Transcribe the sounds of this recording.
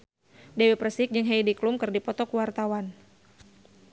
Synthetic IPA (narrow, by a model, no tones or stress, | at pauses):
dɛweprəsɪk̚d͡ʒɨŋɦɛjdiklumkɨrdipɔt̪ɔkuwart̪awan